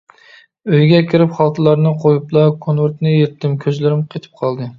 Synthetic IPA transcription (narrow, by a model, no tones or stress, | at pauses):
øjɡʲɛkʲʰɪɾɪpχɑlˠt̪ʰɨlˠɑɾnɨqʰojuplˠɑkʰonwɪɾt̪nɪjeɾɪt̪ʰːɪmkʲʰøzlɪɾɪmqʰet̪ʰɪ̥p̚qʰɑlˠd̪ɨ